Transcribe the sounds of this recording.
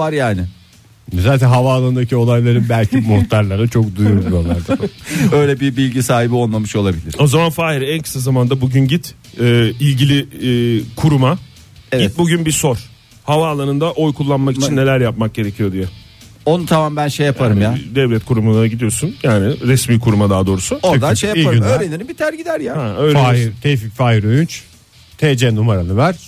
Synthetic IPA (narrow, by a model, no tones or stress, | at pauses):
aɾjaːnɪ | zaːt̪ʰɛnɦavaːlˠaɾɯnd̪acʰio̞lˠajlˠaɾɯnbælʲcʰimoxt̪ʰaɾlʲˠaɾat͡ʃʰo̞kd̪ujumd̪iolˠaɾd̪aø̞jlʲɛbibilʲɟisaːɦibionlˠamɯʃo̞lˠabilʲiɾo̞zamanfaːiɾɛnkʰɯ̥sazamand̪abuɟynɟit̪ː | ilʲɟilʲiː | kʰuɾuma | it̪̚buɟynbiso̞ɾ̥ | havaːlˠaɾɯnd̪aʔo̞jkʰulˠːanmakit͡ʃʰinːe̞lʲæɾjap̚mak̚ɟe̞ɾecʰijo̞d̪ijɛ | onut̪ʰamambænʃejapʰaɾɯmjad̪ɛvlʲɛt̪kʰuɾumunaɟid̪ijo̞sunjaːnɪɾɛsmiːkʰuɾumad̪aːd̪o̞ːɾusuod̪aʃejaiynøɾlenʲinibit̪ʰæɾɟid̪æɾjaːhɛøːɾat̪ʰeficfajiɾojynt͡ʃ | t̪ʰed͡ʒɛnumaɾanˠɯvæɾ̥